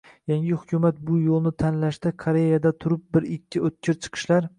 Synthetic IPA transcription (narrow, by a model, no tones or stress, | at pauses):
jaŋʲɪhʊkʲʰʊmat̪̚bʊjolˠnɪt̪ʰanlaʃt̪ɪkʰoɾe̞jad̪at̪ʰʊɾʊp̚bɪɾɪkʲʰːɪot̪̚kʲʰɪɾt͡ʃʰɨ̥qʰɨ̥ʃlaɾ